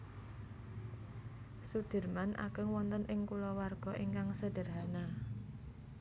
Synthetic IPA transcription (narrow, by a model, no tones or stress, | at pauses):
sud̪̥ə̤rmanʔa̰ɡ̥əŋwɔnt̪ənʔɪŋkulɔwarɡ̥ɔʔiŋkaŋsəd̥ərɦana